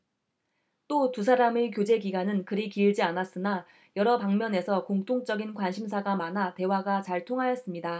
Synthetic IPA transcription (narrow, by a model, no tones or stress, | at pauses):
t͈otusʰaɾamekjod͡ʑe̞ɡiɡanɯnkɯɾikiːɭd͡ʑianas͈ɯna | jʌɾʌpaŋmjʌne̞sʰʌkoŋt͈ʰoŋt͡ɕ͈ʌɡinkwanɕʰims̬ʰaɡamanate̞waɡat͡ɕaɭtʰoŋɦajʌs͈ɯmɲida